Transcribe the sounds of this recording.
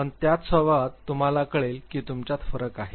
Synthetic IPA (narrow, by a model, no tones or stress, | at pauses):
əɳt̪jat̪səʋat̪ːum̤alakəɭelkiːt̪umt͡ɕat̪fəɾəkaɦe